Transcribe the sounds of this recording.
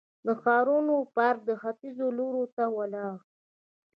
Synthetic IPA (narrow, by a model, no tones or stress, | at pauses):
d̪əxɑɾunopaɾd̪əxafizoloɾot̪awalɑɣ